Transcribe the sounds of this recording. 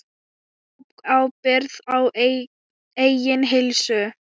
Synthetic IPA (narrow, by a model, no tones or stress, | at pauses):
awpɪɾðaw | ejjɪnɦɪlsʏ